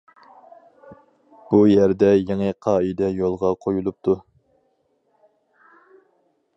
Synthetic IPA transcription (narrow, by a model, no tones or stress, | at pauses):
b̥ujæɾd̪ɛjeŋɨqʰɑːid̪ɛjolˠʁɑqʰojulˠup̚t̪ʰu